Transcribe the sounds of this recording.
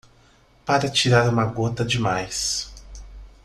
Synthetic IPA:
paɾɐt͡ʃiɾaɾũmɐɡot̪ɐd͡ʒɪmajs

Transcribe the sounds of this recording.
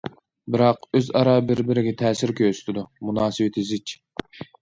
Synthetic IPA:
bɪɾɑqøzɑɾɑːbɪɾbɪɾɪɡʲɛt̪ʰɛːsɪɾkʲʰøsɪ̥t̪ʰɪd̪umunɑːsɨwɪt̪ʰɪzɪt͡ʃʰ

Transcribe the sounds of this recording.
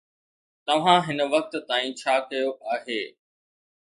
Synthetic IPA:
t̪ɐʋ̤ãɦɪnə̆ʋɐk̚t̪t̪aːĩt͡ɕʰaːkɐjoʔaːɦeː

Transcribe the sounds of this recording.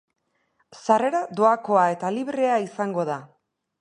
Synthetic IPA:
sare̞ɾad̪o̞ako̞ae̞t̪aliβɾe̞aisaŋɡo̞ð̞a

